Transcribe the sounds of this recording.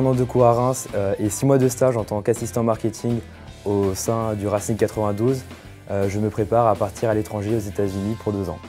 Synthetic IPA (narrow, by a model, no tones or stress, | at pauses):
ɛ̃nɑ̃d̪əkuaʁɛ̃søesimwad̪əst̪aʒɑ̃t̪ɑ̃kasist̪ɑ̃maʁkʲet̪ʰĩŋɡ | osɛ̃d̪yʁasĩŋkat̪χəvɛ̃d̪uz | øʒəməpχepaʁapaʁt̪ʰiʁalet̪χɑ̃ʒeozet̪azynipuʁd̪øzɑ̰̃